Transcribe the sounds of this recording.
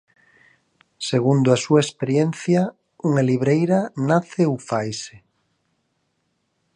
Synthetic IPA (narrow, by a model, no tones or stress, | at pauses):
seɣ̞und̪oasuaespeɾjen̟θja | uŋaliβ̞ɾejɾanaθeowfajse